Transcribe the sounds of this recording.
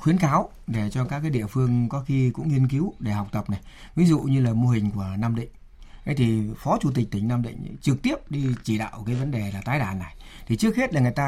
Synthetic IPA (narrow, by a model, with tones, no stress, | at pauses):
xwi˨˦ənkaː˨˦w | ɗe˧˩t͡ɕɔ˧kaː˦˥kaː˨˦jɗḭ˧əfɨ˧əŋkɔ˨˦xi˧kʊ̰˧˥ŋ͡mŋi˧ənk̬i˨˦wɗe˧˩ha˨˩wk͡p̚t̪ə˨˩p̚na˨˩j | vi˨˦zṵ˧˨ɲɨ˧laː˨˩mo˧ɦï˨˩ŋ̟ku˧˩ənaː˧mɗḭ˧˨ŋ̟ | ʔə˨˦jt̪ʰi˨˩fɔ˨˦t͡ɕu˧˩t̪̬i˨˩t̪ï˨˩ŋ̟naː˧mɗḭ˧˨ŋ̟˨˦t͡ɕɨ˨˩k̚t̪i˦˥əp̚ɗi˧t͡ɕi˧˩ɗa̰ː˧˨wkaː˨˦jvə˨˦nɗe˨˩laː˨˩t̪aː˨˦jɗaː˧˩nːa˨˩j | t̪ʰi˨˩t͡ɕɨ˦˥əkhe˦˥t̚laː˨˩ŋː˨˩jt̪aː˧